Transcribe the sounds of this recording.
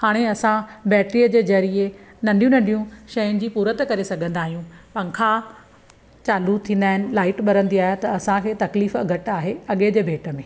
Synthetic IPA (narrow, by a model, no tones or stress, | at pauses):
haːɽ̃eɐsãbɛːʈɾiːəd͡ʑeːd͡ʑɐɾienɐ̃ɳɖijũnɐ̃ɳɖijũʃɐjʊnɪ̆d͡ʑiːpuːɾət̪kɐɾesɐɡʱə̃nd̪aːɦijũpɐ̃ŋkʰa | t͡ɕaːlut̪ʰĩːn̆d̪aːɦɪnɪ̆laːɪʈɓɐɾə̃nd̪iaːɦet̪ɐːsãkʰeːt̪ɐkliːfɡʱɐʈaːɦeɐɠed͡ʑeːbʱeːʈə̆mẽː